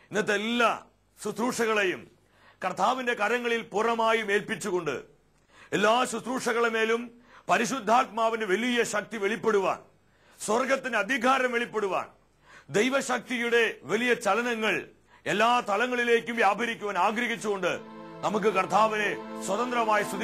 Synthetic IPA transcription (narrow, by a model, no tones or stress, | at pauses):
inːɐt̪̬ːɐlːɐ | sut̪ɾuːʂɐɣɐɭejum | kɐrt̪ʰaːʋinde̞kɐɾɐŋːɐɭilpurɐmaːjume̞ːlpit͡ɕːuɣo̞ɳɖɨ̰ | elːaːsut̪ruːʂɐɣɐɭeme̞ːlum | pɐɾiɕud̪ʱːaːt̪̚maːʋindeʋɐlijɐɕɐk̚t̪iʋeɭipːe̞ɽuʋa̰ːn | swɐrɡɐt̪ːineɐd̪ʱiɡʱaːɾɐmʋeɭipːe̞ɽuʋa̰ːn | d̪ejʋɐɕɐk̚t̪ijuɽe̞ʋɐlijɐt͡ɕɐlɐnɐŋːɐɭ | elːaːt̪ɐlɐŋːɐɭile̞ːkʲːumʋjaːbʱɐɾikʲːuʋɐnaːɡɾɐɦit͡ɕːuɣo̞ɳɖɨ̰nɐmuk̬ːɨkɐrt̪ʰaːʋine̞swɐt̪ɐnd̪rɐmaːjisud̪